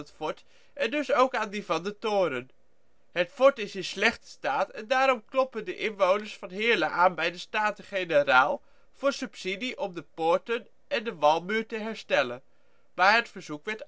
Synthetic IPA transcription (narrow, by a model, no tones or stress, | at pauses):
ətfɔɹt | ʔɛndɵsowkaːndivɑndətoːɾən | ɦətfɔɹtɪsɪnslɛχtə̥staːtɛ̰ndaːɾɔmklɔpəndəʔɪnʋownəɹsfɑnɦɪːɹləʔaːnbɛjdəstaːtəχejnəraːlˠ | v̥ʊːɹsɵpsidiʔɔmdəpʊɹtən | ɛndəʋɑlˠmyːɹtəɦɛɹstɛlən | maːɹɦətfəɹzukʋɛɹt